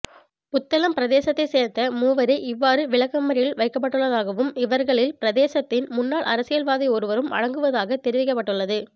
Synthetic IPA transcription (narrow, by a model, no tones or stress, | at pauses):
ʊt̪ːɐlɐmpɪɾɐðeːsɐt̪ːɐɪseːɾt̪ːɐmuːʋɐɾɐʔɪʋːaːɾɯʋɪɭɐkːɐmːɐɾɪjɪlʋɐɪkːɐp̬ːɐʈːɯɭːɐðaːɣɐʋɯmɪʋɐɾɣɐɭɪlpɪɾɐðeːsɐt̪ːɪnmʊnːaːɭʔɐ̰ɾɐsɪjɐlʋaːðiɔɾɯʋɐɾɯmɐ̰ɻɐŋɡɯʋɐðaːɣɐt̪ːɛɾɪʋɪkːɐp̬ːɐʈːɯɭːɐðɯ